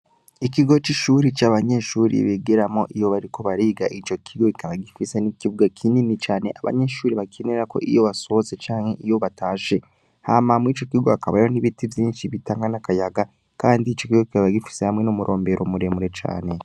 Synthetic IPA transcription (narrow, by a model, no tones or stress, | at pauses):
ikiɡo̞t͡ʃiʃuːɾit͡ʃaːβaɲe̞ʃuːɾḭβeɡeɾamo̞ʔijo̞βaɾiko̞βaɾiːɡaʔit͡ʃo̞kʰiɡo̞ikʰaβaɡifisenikiβuɡakʰininit͡ʃaːne̞ʔaβa̰ɲe̞ʃuːɾiβakineɾako̞̰ʔijo̞βasoze̞t͡ʃaːŋ̥he̞ʔijo̞βataːʃe̞ | hamamwit͡ʃo̞kiuɡohakaβajoniβitivjiːnʃiβitaːŋɡanakajaɡa | kaːndiːt͡ʃo̞kiɡokiaβaɡifi̥sehamŋe̞nomuɾʔo̞ːmbe̞ɾʔomuɾe̞muɾe̞t͡ʃa̰ːne̞